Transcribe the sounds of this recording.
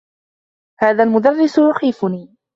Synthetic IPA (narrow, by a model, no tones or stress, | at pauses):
haːðalmʊd̪ɑrːɪsʊjʊxiːfʊniː